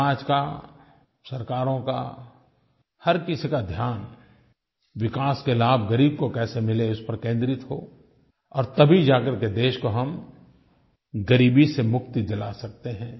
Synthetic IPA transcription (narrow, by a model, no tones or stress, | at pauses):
aːd͡ʒka̰ | sɐɾkaːɾõka̰ | hɐɾkɪsikad̪ʱjaːn | wɪkaːskelaːbʱɡəɾiːb̚kokɛːsemɪleʊspɐɾkẽːnd̪ɾɪt̪ɦo̰ː | ɔːɾt̪ɐbʱid͡ʒaːkəɾked̪eːʃkoɦɐm | ɡɐɾiːbisemʊk̚t̪id͡ʒɐlasɐk̚t̪eɦɛ̃ː